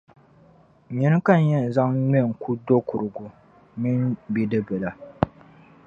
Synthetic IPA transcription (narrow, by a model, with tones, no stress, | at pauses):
ɲi˦nɨ˦ka˦n˦jɛ˦˨n˨za˦ŋɲɛ˦˨ŋ̩˨ku˦do˦kʊ˨ɾɨ˨ɡu˨ | mi˦nbi˦dɨ˦bɛ˨la˨